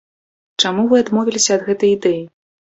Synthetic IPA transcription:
t͡ʂamuvɨad̪mɔvʲilʲisʲɐːd̪ɣɛt̪ɐjid̪ɛji

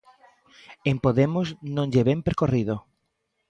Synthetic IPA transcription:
empoðemʊsnõŋʎeβempeɾkoriðo

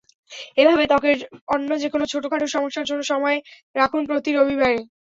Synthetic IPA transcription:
ebʱabet̪ɔkeɾɔnːod͡ʑekonot͡ɕʰoʈokʰaʈeɾʃɔmoʃːaɾd͡ʑonːoʃɔmɔe | ɾakʰunpɾot̪iɾobʱibaɾe

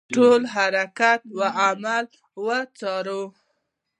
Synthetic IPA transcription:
ʈolɦaɾakat̪waʔamal | wət͡sɑɾo

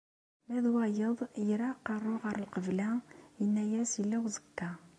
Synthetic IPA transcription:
mæðwɑjɤðjɘ̆ɾɑqɑɾuʁɑɾɤ̆lˠqɤ̆βɘ̆læŋinæjæsilæwzɤ̥̆k̚t̪ɑ

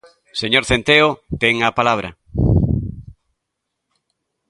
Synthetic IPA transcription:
seɲoɾθent̪eot̪eŋapalaβ̞ɾɐ̰

